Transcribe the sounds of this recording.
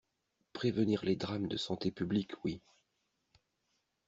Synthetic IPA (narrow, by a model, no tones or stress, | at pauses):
pχevəniʁled̪ʁamd̪əsɑ̃t̪epyblikwi